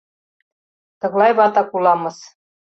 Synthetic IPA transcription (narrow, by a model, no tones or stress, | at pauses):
t̪ɤ̆ɣlˠɑjβɑt̪ɑkulˠɑmɤ̆s